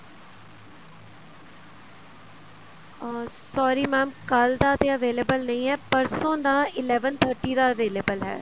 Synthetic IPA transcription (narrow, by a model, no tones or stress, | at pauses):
sɔːɾiːmɛːmkəld̪aːt̪eːəʋeːlebəlnəĩːɦɛːpəɾsõːd̪aːɪlɛːʋənt̪ʰəɾʈiːd̪aːəʋeːleːbəlɦɛ̰ː